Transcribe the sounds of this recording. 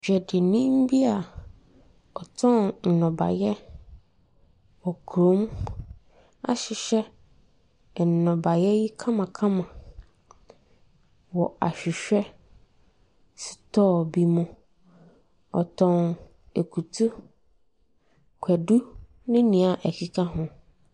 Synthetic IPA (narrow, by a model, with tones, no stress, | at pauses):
d͡ʑᶣɛ˨dɪ˨nĩ˦m̩˦bi˦a˨ | ɔ˨tʰɔ̃˦nn̩˨nɔ̃˨ba̰˨jɛ˦ | wɔ˨kʰɾõ˦m | a̰˦ɕɪ˨ɕɛ˦˨ | nɔ̃˨ba˨jɛ˦ji˦kʰã˦mã˨kʰã˦mã˨ | wɔ˨a˨ɕᶣɪ˨ɕᶣɛ˦ | sʰi̥˨tʰɔ˦˨bi˦mʊ̃˦ | ɔ˨tʰɔ̃˦n | e˨kʰu˨tʰu˦ | kʰɛ˨du˦ | nɪ̃˦nĩ˨a˨ʔæ˨kʰi˨kʰa˦ɦʊ̃˦